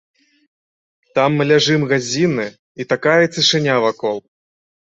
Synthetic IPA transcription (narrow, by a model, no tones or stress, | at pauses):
t̪amːɨlʲaʐɨmɣazʲinɨ | it̪akajɐt͡s̪ʲɨʂɨnʲavakɔlˠ